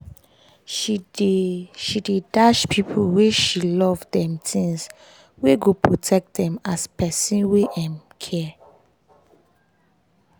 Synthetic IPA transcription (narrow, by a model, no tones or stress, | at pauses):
ʃi | ʃidedaʃpʰipʰulweʃilɔvdɛ̃mtʰĩŋs | weɡopʰɹotʰɛk̚tdɛ̃maspɛsĩnweʔãmkʰɛ